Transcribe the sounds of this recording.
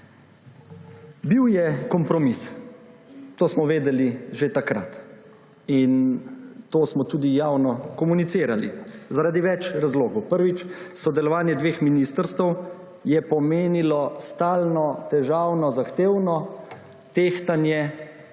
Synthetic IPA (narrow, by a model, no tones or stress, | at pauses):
biwjɛkɔmpɾɔmis | t̪oːsmɔʋeːd̪ɛliʒet̪akɾa̰t̪ | int̪oːsmɔt̪uːd̪ijaːwnɔkɔmunit̪siːɾalḭzaɾad̪iʋɛt͡ʃɾazloːɡɔwpəɾʋit͡ʃsɔd̪ɛlɔʋaːnjɛd̪ʋeːxminist̪əɾst̪əw | jɛpɔmeːnilɔst̪aːlnɔt̪ɛʒaːwnɔzaxt̪eːwnɔ | t̪eːxt̪anjɛ